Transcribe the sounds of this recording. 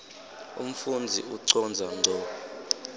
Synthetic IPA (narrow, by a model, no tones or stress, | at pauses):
ṵm̩fund͡zʱḭuǀɔnd͡zʱanʱɔ